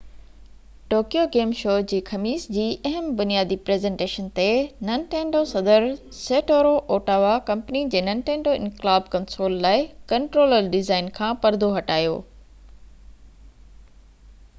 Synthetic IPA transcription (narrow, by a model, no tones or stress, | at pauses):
ʈoːkijoɡeːmʃoːd͡ʑiːxɐmiːsd͡ʑiːʔɐɦəmbʊnijaːd̪ipɾeːzẽːɳʈeːʃənt̪enɐnʈẽːɳɖosɐd̪əɾ | seːʈoːɾoʔoːʈaːʋakɐ̃mpnid͡ʑeːnɐ̃nʈẽːɳɖoɪ̰̃nklaːbkɐ̃nsoːlːaːɪkɐ̃ɳʈɾoːləɾɖɪzaːɪnkʰãːpɐɾd̪ʱoɦɐʈaːjoː